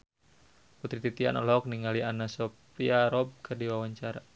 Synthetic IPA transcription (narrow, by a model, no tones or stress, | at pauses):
put̪ɾit̪it̪ia̰nɔ̰lɔːk̚niŋalianasɔ | iaɾɔb̚kʰɨrdiwawaɲt͡ʃaɾa